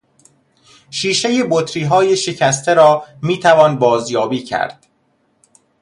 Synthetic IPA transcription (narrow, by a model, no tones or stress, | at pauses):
ʃiːʃe̞je̞bot̪ʰɾiːɦɒːje̞ʃe̞cʰæst̪ʰe̞ɾɒːmiːt̪ʰævɒːnbɒːzjɒːbiːcʰæ̰ɾd̪̥